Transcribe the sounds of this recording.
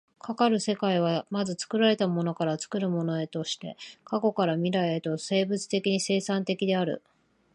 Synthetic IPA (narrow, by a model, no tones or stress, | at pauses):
kʰakaɾɯ̟se̞kaiβ̞amazɨt͡sɨ̥kɯ̟ɾaɾe̞t̪amo̞no̞kaɾat͡sɨ̥kɯɾɯ̟mo̞no̞e̞t̪o̞ɕi̥t̪e̞̰kako̞kaɾamʲiɾaiet̪o̞se̞ːbɯ̟t͡sɨ̥t̪e̞kʲiɲ̟ise̞ːsãnt̪e̞kʲid̪e̞aɾɯ̟̰